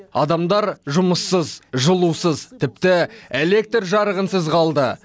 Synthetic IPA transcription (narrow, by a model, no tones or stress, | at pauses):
ɑd̪ɑmd̪ɑɾʒʊməsːəzʒəlˠusəzt̪ʰɪp̚t̪ɪele̞k̚t̪rʒɑɾəʁənsəzqʰɑlˠd̪ə